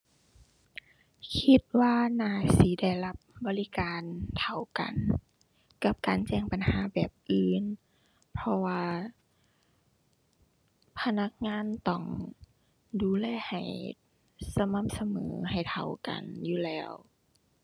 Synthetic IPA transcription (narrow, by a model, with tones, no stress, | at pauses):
kʰi˧t̪̚waː˧naː˧˩siː˨˦da˧˩jla˧p̚bɔː˧˦li˦kaː˨nt̪ʰa˨˧˩wka̰˨˩n | ka˧˦p̚kaː˨˩nt͡ɕɛː˧˩ŋpa˨˩nhaː˨˦bɛː˨˩p̚ʔɯː˨˧˨n | pʰɔ˧waː˧ | pʰa˧na˧˥k̚ŋaː˧˥˨nt̪ɔ˧˩ŋ | duː˨˩lɛː˧˩ha˨˩j | sa˧ma˧˥˨p̚sa˧mɤ̰ː˨˦ha˨˩jt̪ʰa˧˩wka̰˨˩njuː˧˦lɛː˧˥˩w